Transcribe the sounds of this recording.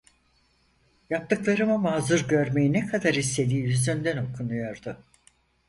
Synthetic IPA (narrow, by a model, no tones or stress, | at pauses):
jap̚t̪ʰɯklˠaɾɯmamazɯɾɟø̞ɾme̞jinɛkʰad̪aɾist̪e̞d̪iːjyzd̪ynd̪æno̞kʰunujo̞ɾd̪ʊ